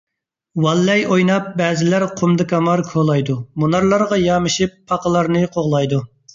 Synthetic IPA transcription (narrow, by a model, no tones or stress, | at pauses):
wɑlːɛjʔojnɑp̚bɛːzɪlæɾqʰomd̪ɨkʰɑmɑɾkʰolˠɑjd̪umunɑɾlˠɑɾʁɑjɑːmɨʃipʰːɑqəlˠɑɾnɨqʰoʁlˠɑjd̪u